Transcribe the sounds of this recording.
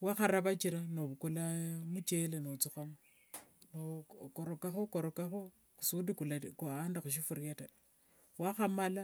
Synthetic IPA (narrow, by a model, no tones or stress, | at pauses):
waxaɾaβat͡ʃiɾanoβukulamut͡ʃelenot͡suxamo | nokoɾokaxokoɾokaxo | ku̥sudikulakuandaxuʃ̬ifuɾjata | waxamala